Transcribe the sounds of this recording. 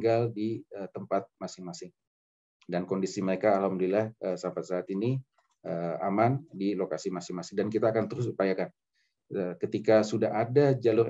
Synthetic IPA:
ɡaldiət̪əmpat̪̚masɪŋmasɪŋ | dankondisiməɾekaːlhamdulilahʔəsampat̪̚saːt̪ini | ʔəa̰mandilokasimasɪŋmasɪŋdankit̪aːkant̪əɾʊs̬upajakan | əkət̪ikasudaɦadad͡ʒalʊr

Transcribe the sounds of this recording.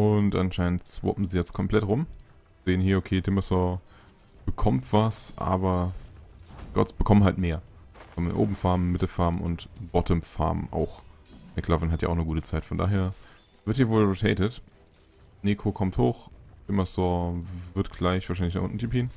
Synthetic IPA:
ʔʊntʔanʃaɪnəntt͡sv̥ɔ̰pm̩ziːjɛt͡st̚kʰɔmpl̥ɛtʁʊm | z̥eːənhiːɐʔokʰeːtʰɪmasɔɐ | b̥əkʰɔmtv̥asʔa̰ːbɐ | ɡ̥ɔ̰t͡sb̥əkʰɔmənɦaltmeːɐ̥ə̥kʰɔmənɪ̰nʔo̰ːbm̩faɐməmɪtl̩faɐməʊ̰ntb̥ɔtʰəmfa̰ɐbəʔa̰ʊxmɛkʰl̥avənɦatjaʔaʊxnəɡuːtət͡saɪtfɔnda̰ːɦeːɐ | vɪɐthiːɐvoːlʁotʰɛɪtət | neːkʰokʰɔmthoːxtʰɪmɐsɔɐvɪɐtɡ̥laɪçv̥aːʃaɪnlçna̰χʔʊ̰ntn̩tʰiphiːn

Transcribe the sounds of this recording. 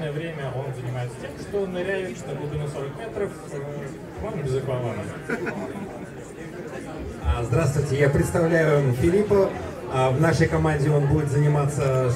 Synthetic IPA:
nəjəvɾʲemʲəʔo̞nzənʲɪmaɪt̪stʲemʂt̪onɐɾʲæjɪvt͡ɕnəb̪ˠd̪ɨnəsoɾəkmʲet̪ɾəf | monbʲɪzʊkɐvanə | zd̪ɾast̪vʊjtʲɪjapɾʲɪt̪st̪ɐvlʲæjʊfʲɪlʲipə | vnaʂəjkɐmanʲdʲɪo̞nbudʲɪt̪zənʲɪmat̪sə

